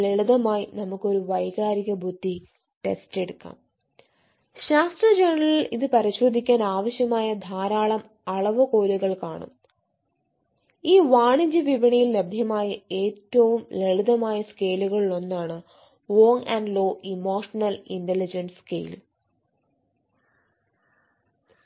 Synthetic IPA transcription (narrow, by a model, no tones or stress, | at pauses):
leɭuðɐmaːjinɐmukːo̞ɾuʋɐjɣaːɾiɣɐbʱud̪ʱːi | ʈe̞̰steɽukːa̰ːm | ɕaːst̪rɐd͡ʑaːrɳɐɭiliðɨpɐɾiɕo̞ːd̪ʱikʲːaːnaːʋɐɕjɐmaːjɐd̪ʱaːɾaːɭɐm | ɐɭɐʋɨko̞ːluɣɐɭkaːɳɐ̰m | iːʋaːɳiɲd͡ʑɨʋiʋɐɳijilːed̪ʱjɐmaːjɐe̞ːtːɐʋumle̞ɭuðɐmaːjɐske̞ːluɣɐɭiɭo̞nːaːɳɨ | ʋoːŋɐɳɖlo̞ːʔimo̞ːʂɐnɐlinɖelid͡ʑɐnskḛjl